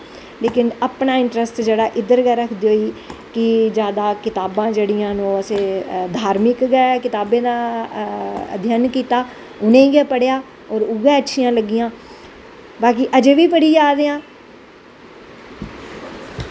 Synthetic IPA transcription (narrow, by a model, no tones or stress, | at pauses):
leːkɪnəpnaːɪɳʈɾəsʈd͡ʒeːɽaːʔɪd̪əɾɡɛːɾəkʰd̪eːɦoːiːkɪd͡ʒjaːd̪aːkɪt̪aːbãːd͡ʒeːɽijãːnõːəsẽːd̪ʱaːɾmɪkɡɛːkɪt̪aːbẽːd̪aː | ə̰d̪ʱjənkiːt̪aː | ʊnẽːɡaːpəɽejaː | ɔːɾʊɡẽːəʈːʃʰijãːləɡɪjãː | baːk̬iʔəd͡ʒeːʋiːpəɽiːd͡ʒaːd̪eːãː